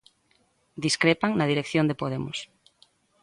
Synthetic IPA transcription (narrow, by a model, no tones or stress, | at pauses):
d̪iskɾepaŋnað̞iɾekθjond̪epoðemos